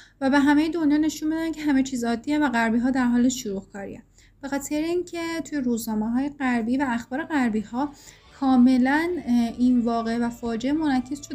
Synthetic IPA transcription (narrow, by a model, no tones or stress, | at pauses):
væbe̞ɦæmejed̪o̞njɒːne̞ʃunbed̪æncʲʰe̞ɦæmet͡ʃʰiːzɒːd̪ːievæɣæɾbiːɦɒːd̪æɾɦɒːleʃʃuɾuhkʰɒːɾḭḛ | b̥e̞xɒːt̪ʰeɾeiːncʰe̞t̪ʰuje̞ɾuznɒːmeɦɒːje̞ɢæɾbiːvæːxb̥ɒːɾe̞ɣæɾbiːhɒː | kʰɒːme̞læninvɒːɣe̞ʔvæfɒːd͡ʒeʔemonækʰːezʃod̪